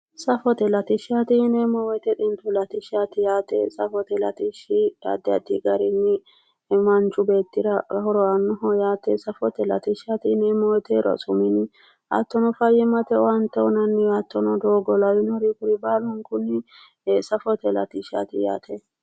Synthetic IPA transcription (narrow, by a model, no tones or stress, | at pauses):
sɐfɔt̪ɛlɐt̪ɪʃat̪ɪnemɔwɛt̪ɛᶑɪnt̪ʊlɐt̪ɪʃat̪ɪjaːt̪ɛ̰sɐfɔt̪ɛlɐ̰t̪ɪʃɪɐ̰d̪ːɛɐ̰d̪ḭɡɐɾɪnːɪ | mɐnt͡ʃːʊbeːt̪ːɪɾɐhɔɾɔɐnːʊɦɔjaːt̪ɛsɐfɔt̪ɛlɐt̪ɪʃat̪ɪnɛmɔwɔt̪ɛɾɔ̰sʼʊmɪnɪ | ʔɐ̰t̪ːɔnɔfɐjɛmɐt̪ɛɐnt̪ːɛɔnɐnːɪɐt̪ːɔnɔd̪oːɡɔlɐwɪnɔɾikʊɾɪbalɔŋkʊnːɪ | sɐfɔt̪ɛlɐ̰t̪ɪʃa̰t̪ɪja̰ːt̪ʰɛ